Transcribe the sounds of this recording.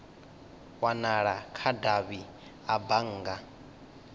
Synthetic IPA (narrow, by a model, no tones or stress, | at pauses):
wanaɺakʰadaβi | abaŋ̩ːɡa